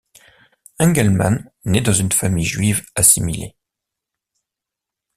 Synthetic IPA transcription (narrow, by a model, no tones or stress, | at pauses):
ɛ̃ɡɛlma̰nnɛd̪ɑ̃zynfamijʒɥivasimilḛ